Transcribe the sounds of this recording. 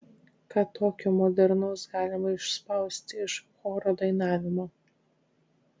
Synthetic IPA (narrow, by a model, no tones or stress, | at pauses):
kɑːt̪oːkʲomɔd̪ʲɛɾnɐʊsɡɑːlʲɪmɐɪʃspɐˑʊsʲt̪ʲɪɪʃxoːɾoːd̪ɐɪnɑːʋʲɪmoː